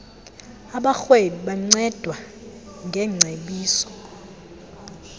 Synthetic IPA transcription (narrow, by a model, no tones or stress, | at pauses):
aɓaxweliɓaŋ͡ǀɛd̥ʱwa | ŋɡʱɛŋ͡ǀʱeɓiːsɔ̥